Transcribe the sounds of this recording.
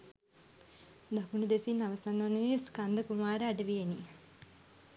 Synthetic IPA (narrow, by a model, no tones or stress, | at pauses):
d̪akunəd̪esinːaʋəsanʋanəiskand̪əkumaːɾəaɖəʋijeni